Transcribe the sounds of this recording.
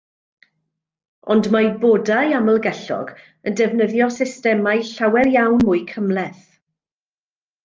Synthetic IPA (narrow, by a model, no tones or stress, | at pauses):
ɔndmabodajaməlˠɡɛɬɔ̰ɡ | əndɛvnəðjɔsɪstɛmajɬawɛrjawnmʊɨkʰəmlˠɛθ